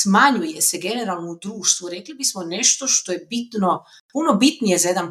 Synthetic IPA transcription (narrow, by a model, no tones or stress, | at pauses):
smaɲuje̞seɡe̞ne̞ɾalˠnoud̪ɾuːʃt̪ʋuɾeklibismone̞ʃt̪o̞ʃt̪o̞je̞bit̪no | punobit̪nije̞zaje̞d̪an